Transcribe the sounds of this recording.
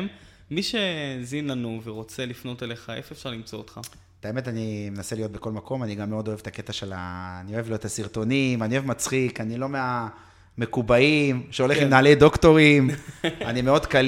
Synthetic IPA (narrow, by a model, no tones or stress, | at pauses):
m | miʃezinlanuveʁot͡selifno̞teleχaefefʃaʁlimt͡soot̪χa | taeme̞tanimenaselijo̞t̪̚be̞ko̞lmako̞maniɡamːeo̞d̪o̞evet̪ake̞t̪aʃela̰ːnio̞evliot̪asiʁt̪o̞nimanioevmat͡sχikanilo̞mea | me̞kubaimʃeo̞leχimnaːledo̞kto̞ʁimanimeo̞d̪kal